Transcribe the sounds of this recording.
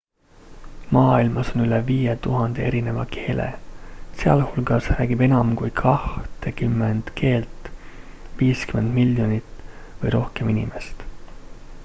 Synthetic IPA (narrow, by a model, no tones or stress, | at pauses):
mɑːilmɑso̞nyleviːjet̪uɦɑnd̪̥e̞e̞ɾine̞vɑkʰe̞ːlḛse̞ɑ̰lhulɡ̥ɑsræːɡibe̞nɑmkujkʰɑht̪ekymːend̪̥kʰe̞ːlt̪ˑ | viːskyme̞nd̪̥miljo̞nit̪vɤjɾo̞hke̞minʲḭmest̪